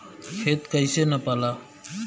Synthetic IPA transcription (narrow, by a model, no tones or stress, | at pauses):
kʰeːt̪kəiseːnəpaːlaː